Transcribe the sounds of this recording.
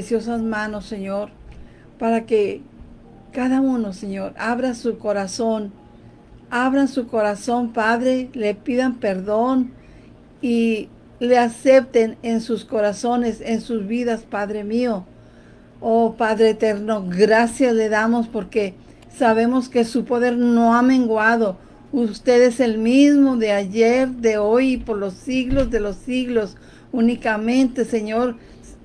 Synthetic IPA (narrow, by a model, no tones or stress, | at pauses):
sjo̞sazmãno̞sːe̞ɲoɾ | paɾake̞ | kaðauno̞se̞ɲo̞ɾaβɾasuko̞ɾaso̞n | aβɾansuko̞ɾaso̞mpaðɾe̞lepiðampe̞ɾðo̞n | i | lease̞p̚t̪e̞nensusko̞ɾaso̞ne̞sensuzβiðaspaðɾe̞mio | opaðɾeːt̪eɾno̞ɡɾasjasle̞ðamo̞spo̞ɾke̞ | saβe̞mo̞ske̞supo̞ðe̞ɾno̞amẽ̞ŋɡwaðo̞ | ust̪e̞ðese̞lmizmo̞ðeaʝeɾðe̞ojipo̞ɾlo̞siɣlo̞zðe̞lo̞siɣlo̞s | unikamẽ̞nt̪e̞se̞ɲo̞ɾ